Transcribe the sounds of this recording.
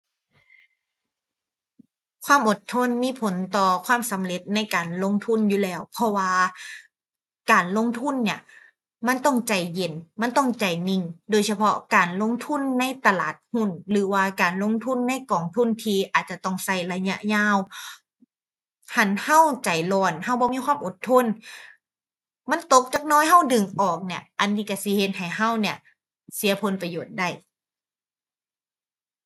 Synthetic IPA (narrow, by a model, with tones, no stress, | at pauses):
kʰwaː˧˥˨mʔo˨˩t̪ʰːo˧˥˨nmiː˧˥˨pʰo˨˦nt̪ɔː˨˩kʰwaː˧˥˨msa˨˦mle˧˦t̪̚na˧˥˨jkaː˨nlo˧˥˨ŋt̪ʰu˧˥˨njuː˧˦lɛː˧˩wpʰɔ˧waː˧ | kaː˨˩nlo˧˥˨ŋt̪ʰu˧˥˨nːi˧˩ɐ | ma˧˥˨nt̪ɔ˧˥˩ŋt͡ɕa˨˩jːe˨˩nma˧˥˨nt̪ɔ˧˩ŋt͡ɕa˨˩jni˧˩ŋdoː˨˦jsa˧pʰɔ̰˧˥kaː˨˩nlo˧˥˨ŋt̪ʰu˧˥˨nːa˧˥˨jt̪a˧laː˨˩t̪̚hu˧˥˩nlɯː˨˩˦waː˧kaː˨˩nlo˧˥˨ŋt̪ʰu˧˥˨nːa˧˥˨jkɔː˨˩ŋt̪ʰu˧˥˨nt̪ʰiː˧ʔaː˨˩t̪̚t͡ɕa˧t̪ɔ˧˩˨ŋsa˧˩jla˧ɲa̰˧ʔɲaː˧˥˨w | ha˧˩nha˧˥˨wt͡ɕa˨˩jlɔː˧˩nha˧˥˩wbɔː˧˦miː˧˥˨kʰwaː˧˥˨mʔo˨˩˦t̪ʰːo˧˥˨n | ma˧˥˨nt̪o˧˦k̚t͡ɕaː˨˩k̚nɔː˧˥˨jɦa˧˥˩wdɯ˨˩ŋʔɔː˨˩k̚ni˧˩əʔa˨nːiː˧˩ka˧˩si˧˦he˧˦t̪̚ha˨˩jha˧˥˩wni˧˩ɐ | si˨˦ɐ˦pʰo˧˦npa˧joː˨˩t̪̚da˧˩j